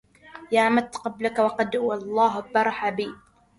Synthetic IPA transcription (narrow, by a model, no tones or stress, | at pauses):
jaːʕmat̪qɑblakawɑqɑd̪wɑlˤːɑːɦabɑɾˤɑħabiː